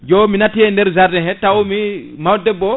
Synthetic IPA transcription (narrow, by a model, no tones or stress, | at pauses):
d͡ʒɔminatiɛndɛɾzaɾdɛɦɛtaumi | mawdɛbɔ